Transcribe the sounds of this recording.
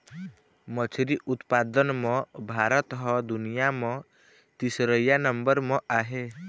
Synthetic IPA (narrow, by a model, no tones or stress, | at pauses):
mət͡ʃʰɾiʔʊt̪paːd̪ənmɔ̃bʱaːɾət̪ɦɔd̪ʊnijamɔ̃ | t̪isɾəjanəmbəɾmɔ̃ʔaːɦe